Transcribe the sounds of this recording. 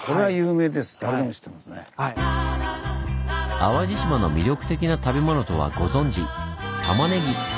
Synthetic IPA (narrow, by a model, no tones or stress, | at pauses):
ko̞ɾeβajɯːme̞ːd̪e̞sɨ̥d̪aɾeemoɕi̥t̪ːemasne | aβaʑiɕimano̞mʲiɾʲo̞kɯ̟̥t̪e̞kʲinat̪abe̞mo̞no̞t̪o̞β̞a̰ɡo̞zõ̞ɲ̟d͡ʑit̪amane̞ɡʲi